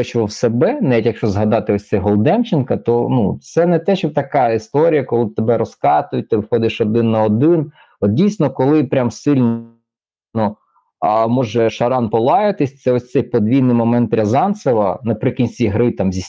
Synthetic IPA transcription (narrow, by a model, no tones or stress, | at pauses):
ɔt͡ʃʋɔwsebɛnɛitʲjɐkʃt͡ʃɔzɦɐd̪ɑt̪ɪɔsʲtsɛjɦɔlˠd̪ɛmt͡ʃɪnkɐt̪ɔnut̪sɛnɛt̪ɛʃɔt̪ɐkɑist̪ɔɾʲijɐkɔlˠɪt̪ebɛɾɔskɑt̪ʊjʊt̚ʲt̪ɪʋxɔd̪ɪʃɔd̪ɪnːɐɔd̪ɪn | ɔt̪̚dʲijsʲnɔkɔlˠɪpɾʲamsɪlʲn | ɔ | mɔʒɛʃɐɾɑnpɔlˠɑjɐt̪ɪsʲt̪sɛɔsʲt̪sɛjpɔd̪ʲʋʲijnɪjmɔmɛnt̪pɾʲɐzɑnsɐʋɐnɐpɾɪkʲinʲsʲt͡sʲiɦɾɪt̪ɑmzʲisʲ